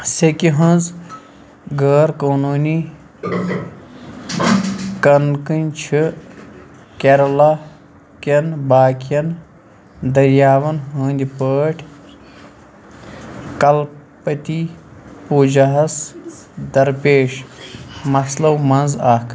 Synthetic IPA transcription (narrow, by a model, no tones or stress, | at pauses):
sekiɦɐ̃nz | ɡəːɾkoːnuːni | kɐnkɨnʲt͡ʃʰi | keɾlɐ | kɐnbaːkɐn | d̪ɐɾjaːʋɐnɦə̃ːnd̪ʲipəːʈʲʰ | kɐlpɐt̪ʲipuːd͡ʒɐɦɐs | d̪ɐɾpeːʃ | mɐslɐwmɐnzaːkʰ